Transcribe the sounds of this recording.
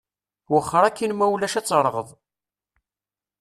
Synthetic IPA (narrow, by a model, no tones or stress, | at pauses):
wəχːəɾˤækːinmæwlæʃæt͡sːɾˤəʁəðˤ